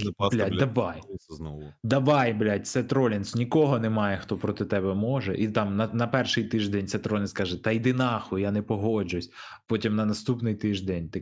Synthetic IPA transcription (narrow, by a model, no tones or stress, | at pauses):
blʲatʲd̪ɐʋɑjnɔd̪ɐʋɑjblʲat̚ʲt̪sɛt̪ɾɔlʲɪnsʊnʲikɔɦɔnɛmɑjɛxt̪ɔpɾɔt̪ɪt̪ɛbɛmɔʒɛ̰ʔit̪ɑmnɐnɐpɛrʃɪjt̪ɪʒd̪ɛnʲt̪sɛt̪ɾɔlʲɪnskɑʒɛt̪ɐjd̪ɪnɑxʊjanɛpɔɦɔd͡ʒʊsʲ | pɔtʲimnɐnɐst̪upnɪjt̪ɪʒd̪ɛnʲt̪ɪ